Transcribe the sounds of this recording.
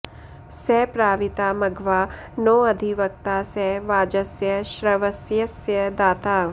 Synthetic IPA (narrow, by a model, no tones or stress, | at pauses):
sɛpɾaːʋit̪aːmɐɡʋaː | noːɐd̪ʱiʋɐk̚t̪aːsɛʋaːd͡ʒɐsjɐʃɾɐʋɐsjɐsjɐd̪aːt̪aː